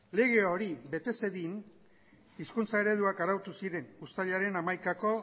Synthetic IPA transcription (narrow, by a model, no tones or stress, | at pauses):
le̞ɣ̞e̞oɾiβe̞t̪e̞se̞ðin | iskunt͡sae̞ɾe̞ðuakaɾawt̪usiɾe̞nust̪aʎaɾe̞namajkako̞